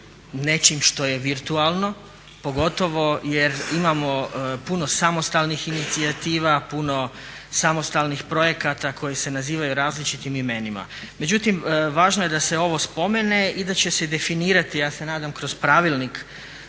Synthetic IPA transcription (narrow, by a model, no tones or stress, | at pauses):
ne̞t͡ʃimʃt̪o̞je̞ʋiɾt̪ualˠno̞ | po̞ɡo̞t̪o̞ʋo̞jeɾimamo̞puno̞samo̞st̪alnixinit̪siat̪iːʋapuno̞samo̞st̪alnixpɾo̞je̞kat̪akʰo̞jise̞naziːʋajuɾaːzlit͡ʃit̪imime̞nima̰ | me̞d͡ʑut̪imʋaːʒnoje̞d̪ase̞o̞ʋo̞spo̞me̞ne̞ʔid̪at͡ɕe̞sed̪e̞finiːɾat̪ijaːse̞naːd̪amkɾo̞zpɾaʋilˠnik